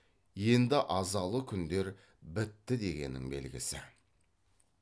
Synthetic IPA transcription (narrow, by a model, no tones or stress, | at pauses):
je̞nd̪ɪʔɑzɑlˠəkʲʰʏnd̪e̞ɾ | bɪt̪ːɪd̪e̞ɡʲe̞̰nɪ̰ŋbe̞̰lɡʲɪ̰sɪ̰